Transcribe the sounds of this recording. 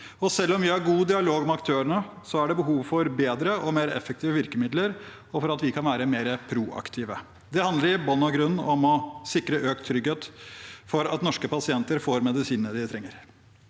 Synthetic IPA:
ɔsɛlːɔmʋɪɑɾɡuːd̪ɪɑloːɡmɛɑk̚t̪ʰøːəɳəsɔæɖɛbəɦuːʋfɔɾbeːd̪ɾəʔɔmeːɾɛ̰fːək̚t̪ʰiːʋəʋɪɾkəmɪd̪ləɾ | ɔfɔɾɑt̪ʋɪkʰɑnʋæːɾəmeːɾəpʰɾuːʔɑ̰kt̪ʰiːʋə | d̪ɛhɑnd̪əɾɪbɔnːɑɡɾʉnːɔmɔsɪkɾəʔøːk̚t̪ʰːɾʏɡeːt̪fɔɾɑt̪nɔʂkəpɑsɪɛnt̪əɾfoːɾmɛd̪ɪsiːnəd̪ɪt̪ʰɾɛŋːəɾ

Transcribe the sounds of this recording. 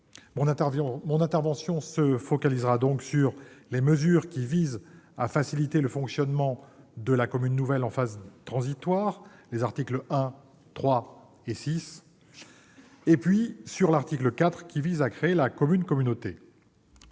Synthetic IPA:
mɔ̃ɛ̃mɔ̃nɛ̃t̪ɛʁvɑ̃sjɔ̃səfɔkalizʁad̪ɔ̃ksyʁleməzyʁkʲivizafasilit̪eləfɔ̃ksjɔnmɑ̃d̪əlakɔmynːuvɛlɑ̃fazd̪ət̪χɑ̃zit̪waʁlezaʁt̪ikləɛ̃ | t̪χwa | esis | epɥisyʁlaʁt̪ikləkat̪χkʲivizakχeelakɔmynkɔmynot̪ḛ

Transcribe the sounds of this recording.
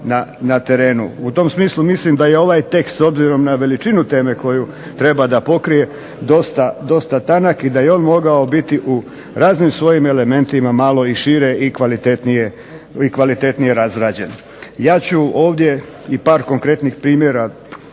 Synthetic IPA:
nanat̪e̞ɾe̞ːnṵut̪o̞msmiːslˠumislimd̪aje̞o̞ʋaːjt̪e̞kst̪so̞bziɾo̞mnaʋe̞lit͡ʃinut̪e̞ːme̞ko̞ju | t̪ɾe̞bad̪apo̞kɾije̞ | d̪o̞st̪ad̪o̞st̪at̪anakid̪ajeo̞ːnmo̞ɡao̞bit̪iʔu | ɾaːznimsʋo̞jime̞le̞me̞nt̪imamaːlo̞iʃiɾe̞ʔikʋalit̪et̪nije | ikʋalit̪e̞t̪nije̞ɾazɾaːd͡ʑe̞n | jaːt͡ɕuo̞ːʋd̪je̞ | ipaːɾko̞ŋkɾe̞t̪nixpɾiːmjeɾa

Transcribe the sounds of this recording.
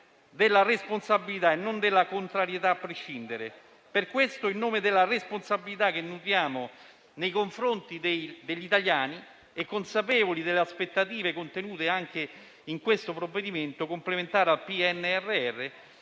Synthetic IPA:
d̪elːaresponsabːilit̪aenːond̪elːakont̪ɾaɾjet̪aːpːɾeʃːind̪eɾe | perkwest̪oilnoːmed̪elːaresponsabilit̪ak̟ːenːut̪jaːmo | nejkoɱfɾont̪id̪ejd̪eʎːit̪aljaːni | ɛkːonsapɛːvolid̪elːeaspet̪ːat̪iːvekont̪enuːt̪eaŋk̟e | iŋkwest̪opɾovːed̪iment̪okomplement̪aːɾealpiɛnːeɛrːeɛrːe

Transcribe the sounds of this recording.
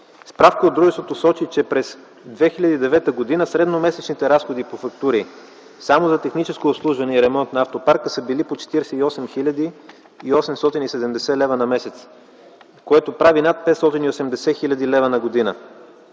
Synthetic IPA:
spɾafkəod̪ːɾuʒɛst̪vot̪osɔt͡ʃit͡ʃɛpɾɛs | d̪vɛxilʲɐd̪iːd̪ɛvɛt̪əɡod̪inəsɾɛd̪nomɛsɛt͡ʃnit̪ɛɾasxod̪ipofɐkt̪uɾi | samozɐt̪ɛxnit͡ʃɛskoːpslˠuʒvɐnɛiɾɛmɔnt̪nɐaft̪opaɾkəsəbilipot͡ʃɛ̥t̪iɾɛsɛiɔsɛmxilʲɐd̪iː | ɔsɛmst̪ɔt̪inisɛd̪ɛmd̪ɛsɛlɛvənɐmɛsɛt̪s | koɛt̪opɾavinat̪̚pɛt̪st̪ɔt̪iniosɛmd̪ɛsɛxilʲɐd̪ilɛvənɐɡod̪inə

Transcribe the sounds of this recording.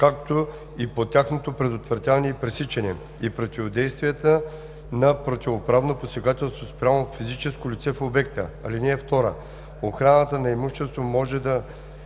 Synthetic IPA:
kakt̪o | ipot̪ʲaxnot̪opɾɛd̪ot̪vɾɐt̪ʲanɛipɾɛsit͡ʃɛnɛ | ipɾot̪ʲivod̪ɛjst̪vijɛt̪ə | nɐpɾot̪ʲivopɾavnoposɛɡat̪ɛlˠst̪vospɾʲjamofizit͡ʃɛskolʲit̪sɛfobɛk̚t̪ə̰ɐ̰linɛːft̪ɔɾə̰ | oxɾanət̪ənɐɛmuʃɛst̪vomɔʒɛd̪ɐ

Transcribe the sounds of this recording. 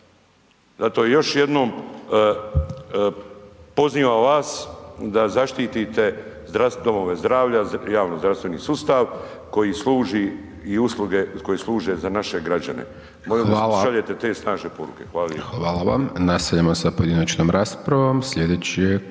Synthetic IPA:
zat̪o̞ːjjo̞ʃjed̪no̞ːm | po̞zniːʋaʋaːsd̪azaʃt̪iːt̪it̪e̞zd̪ɾasd̪o̞mo̞ʋe̞zd̪ɾaːʋʎajaːʋnozd̪ɾaʋst̪ʋe̞nḭːsust̪aʋ | ko̞jislˠuːʒi | iuslˠuɡe̞ko̞jislˠuːʒe̞zanaʃe̞ɡɾad͡ʑa̰nḛ | moliaaʎe̞t̪e̞t̪e̞ːsnaːʒnepo̞ɾṵke̞xʋaːlixʋaːlaʋa̰mnast̪aʎamosapojd̪inat͡ʃnoːmɾaspɾaʋomsʎʲed̪eːt͡ɕije

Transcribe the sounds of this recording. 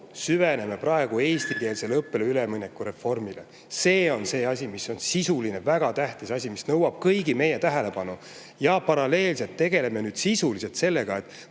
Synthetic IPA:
syvene̞me̞prɑeɡ̥ue̞ːst̪iɡe̞ːlselɤpːeleylemɯnʲekːˑuɾe̞fo̞rmile | se̞ːo̞nse̞ːɑsʲimiso̞nsisuline̞væɡ̥ɑt̪æht̪isɑsʲimisnɤwɑb̥̚kɤjɡime̞jet̪æɦe̞le̞pɑnu | jɑpɑɾɑle̞ːlse̞lt̪ːe̞ɡe̞le̞menyːd̪̥sisulise̞lt̪se̞lːe̞ɡ̥ɑe̞t̪ːˑ

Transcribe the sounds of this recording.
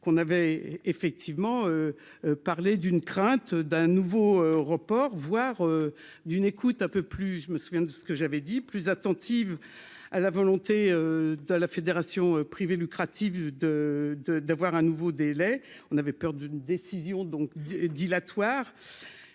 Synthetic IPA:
kɔ̃navɛefɛk̚t̪ʰivmɑ̃ø | paʁled̪ynkχɛ̃t̪d̪ɛ̃nuvoøʁəpɔʁvwaʁø | d̪ynekut̪ɛ̃pøplyʒəməsuvjɛ̃d̪əsə̥kəʒavɛd̪iplyzat̪ɑ̃t̪ʰiv | alavɔlɔ̃t̪eød̪əlafed̪eʁasjɔ̃øpχivelykχat̪ʰivd̪əd̪əd̪avwaʁɛ̃nuvod̪elɛɔ̃navɛpœʁd̪ynd̪esizjɔ̃d̪ɔ̃kd̪ilat̪waːʁ

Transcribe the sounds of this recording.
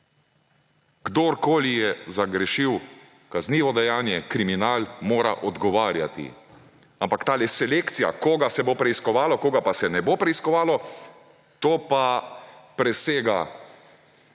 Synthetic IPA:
ɡ̥d̪oɾkoːlijɛzaɡɾɛʃiw | kazniːʋɔd̪ɛjaːnjɛkɾiminaːlmoːɾa̰ʔɔd̪ɡɔʋaːɾja̰t̪ḭ | ampakt̪aːlɛsɛlekt̪sija̰koːɡasɛbopɾɛiskɔʋaːlɔkoːɡapasɛnɛbopɾɛiskɔʋaːlɔ | t̪oːpapɾɛseːɡa

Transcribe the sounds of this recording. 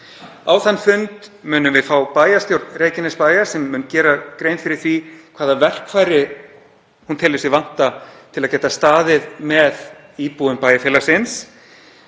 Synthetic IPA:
awθanːfʏnt̪mʏːnʏmvɪðfaːwpaːjast̪jowɾt̪nreːjcɪnɛspaːjasɛmːʏːncɛːɾakɾejnfɪɾɪɾ̥θvikʰvaːðavɛr̥kfajɾɪ | hunt̪ʰɪlvɛsɪvan̥t̪at̪ʰɪlaðcɛːt̪ast̪aːðɪðmɛð | iːpuʏmpaːjafjɛːlasɪns

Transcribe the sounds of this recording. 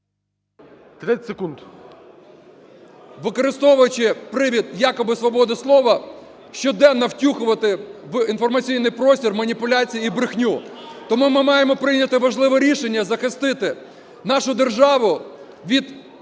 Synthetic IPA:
t̪ɾɛtʲsekund̪ | ʋɪkɔɾɪst̪ɔʋʊjʊt͡ʃɪpɾɪʋʲid̪jɑkɔbɪsʋɔbɔd̪ɪslˠɔʋɐ | ʃt͡ʃɔd̪ɛnːɐwtʲuxʊʋɐt̪ɪʋinfɔrmɐt͡sʲijnɪjpɾɔsʲtʲirmɐnʲipʊlʲat͡sʲijiibɾɪxnʲut̪ɔmumɪmɑjemɔpɾɪjnʲɐt̪ɪʋɐʒlˠɪʋɛɾʲiʃenʲːɐzɐxɪst̪ɪt̪ɪ | nɑʃʊd̪erʒɑʋʊ | ʋʲid̪

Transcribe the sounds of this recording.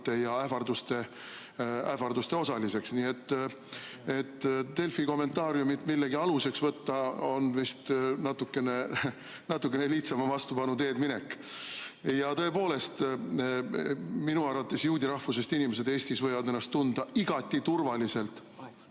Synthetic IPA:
t̪ːe̞jɑæfɑrd̪ust̪e̞ | æ̰fɑrd̪ust̪e̞o̞sɑlise̞ksniːe̞t̪ː | e̞t̪ːe̞lfiko̞mːe̞nt̪ˑɑːɾjumit̪milːeɡiɑluse̞ksvɤt̪ːɑo̞nvist̪nɑt̪ːukːe̞ne | nɑt̪ːˑukːˑe̞neliht̪sɑmɑvɑst̪upɑnut̪e̞ːd̪mine̞kː | jɑt̪ɤ̞e̞po̞ːle̞st̪ | minuɑɾɑt̪ːˑe̞sjuːd̪ʲiɾɑhfuse̞st̪inime̞s̬e̞d̪e̞ːsʲt̪isvɤ̞jvɑd̪e̞nːɑst̪ːund̪̥ɑiɡ̥ɑt̪ʲːˑit̪urvɑlise̞lt̪ˑ

